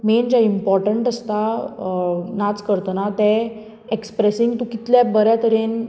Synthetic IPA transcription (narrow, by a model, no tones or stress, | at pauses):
mend͡ʑaimpɔɾʈəɳʈəst̪a | nat͡skəɾt̪ənat̪ɛ | ekspɾesiŋɡt̪ũkit̪ljabəɾjat̪əɾen